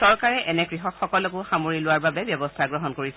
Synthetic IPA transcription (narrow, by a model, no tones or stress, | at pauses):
ɔɹkaɹɛʔɛnɛkɹiɦɔkxɔkɔlɔkʊxamoɹilʊwaɹbabɛbjɔbɔstʰaɡɹɔɦɔnkoɹis